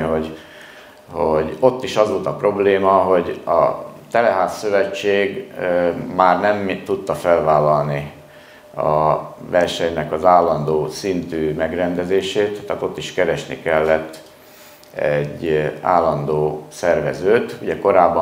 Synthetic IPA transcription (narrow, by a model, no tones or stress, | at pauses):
ɦoɟ | hoɟo̞t̪ːiʃɒzʋo̞lt̪ɒpro̞bleːmɒɦo̞ɟɒ̰t̪ɛlɛɦaːsːø̞vɛt͡ʃːeːɡ | maːrnɛmt̪ut̪ːɒfɛlvaːlːɒlni | ɒ̰vɛrʃɛɲnɛkɒzaːlːɒnd̪oːsint̪yːmɛɡrɛnd̪ɛzeːʃeːt̪ːaːt̪o̞t̪ːiʃkɛɾɛʃnḭkɛlːɛt̪ː | ɛɟːa̰ːlːɒnd̪oːsɛrvɛzøːt̪uɟɛko̞ɾaːbː